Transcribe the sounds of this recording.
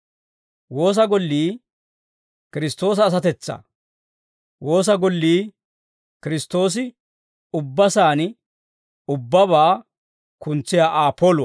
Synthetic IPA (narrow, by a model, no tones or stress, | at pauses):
wo̞ːs̬ɐɡɔlːiː | kɪɾɪst̪o̞ːs̬ɐːs̬ɐt̪ɛt͡sːɐ̰ | wo̞ːs̬ɐɡɔlːiː | kɪɾɪst̪o̞ːs̬ɪ | ʊbːɐsaːn | ʊbːɐbaː | kʊnt͡sːɪjaːʔaːpʰːoːlʊɐ